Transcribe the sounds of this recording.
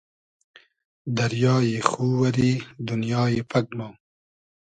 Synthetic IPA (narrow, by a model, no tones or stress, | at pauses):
d̪ɐɾjɑːjexuːwɐɾiːd̪ʊnjɑːjepɐkmaː